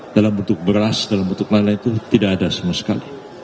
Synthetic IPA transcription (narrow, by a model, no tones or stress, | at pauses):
d̥alambənt̪ʊk̚bəɾlasdalambənt̪ʊk̚lalaŋt̪ut̪idaʔadasamuasə̥kali